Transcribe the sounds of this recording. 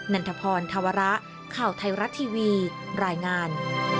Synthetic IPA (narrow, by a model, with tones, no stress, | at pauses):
na˧nt̪ʰa˧pʰɔː˧nt̪ʰa˧wa˧ɾa˦˥ʔ | kʰaː˨˩wt̪ʰa˧jɾa˦˥t̪ʰːiː˧wiː˧ɾaː˧jŋaː˧n